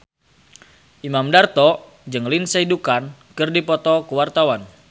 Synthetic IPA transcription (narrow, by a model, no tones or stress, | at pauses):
ʔimamdart̪ɔ | d͡ʒɨŋlinseidukankɨrdipɔt̪ɔkuwart̪awan